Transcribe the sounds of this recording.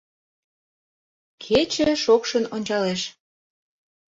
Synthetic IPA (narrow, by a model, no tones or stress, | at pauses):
kʰet͡ɕəʃokʃənonʲt͡ɕɑleʃ